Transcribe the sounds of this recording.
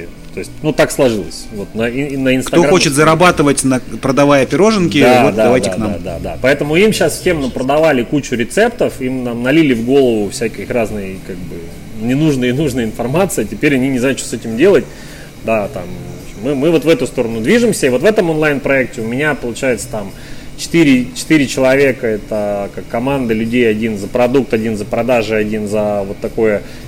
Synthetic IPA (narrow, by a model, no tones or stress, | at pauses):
t̪o̞ɪsʲt̚ʲnut̪akslˠɐʐɨlˠə̰sʲvo̞t̪nəinəɪnkt̪ɐoɡxot͡ɕɪt̪zəɾɐbat̪ɨvətʲnəpɾəd̪ɐvajəɐpʲɪɾo̞ʐɨnkʲɪdaot̪d̪adavajdʲtʲɪaknaa̰d̪a̰d̪a̰pɐɛt̪əmʊimɕasfsʲe̞mnəpɾəd̪ɐvalʲɪkut͡ɕʊɾʲɪt̪sɛpt̪əfimnamnɐlʲilʲɪvɡo̞lˠəvʊfsʲækʲɪxraznɨjəkaɡ̚bɨ | nʲɪnuʐnɨjənuʐnəjɪnfɐrmat̪sɨɪtʲɪpʲeɾʲɐnʲinʲɪzajʊt͡ʃʂt̪osɛtʲɪmdʲe̞lˠət̚ʲ | d̪at̪a̰mvoɕɪmːɨmɨvo̞t̪vɛt̪ʊst̪o̞ɾənʊd̪vʲiʐɨmsʲəivot̪vɛt̪əmonlˠajnpɾɐɛk̚tʲɪʊmʲɪnʲapəlˠʊt͡ɕæjɪt̪sə̥t̪am | t͡ɕɪ̥t̪iɾʲɪt͡ɕɪ̥t̪ɨɾʲɪt͡ɕɪlˠɐvʲe̞kəɛt̪əkakːɐmand̪əlʲʉdʲejɐdʲinzəpɾɐd̪uk̚t̪ɐdʲinzəpɾɐd̪aʐɨɐdʲinzəvo̞t̪ːɐko̞jə